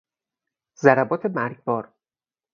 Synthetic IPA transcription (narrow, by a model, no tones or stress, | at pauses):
zæɾæbɒːt̪ʰe̞mæɾɡbɒːɾ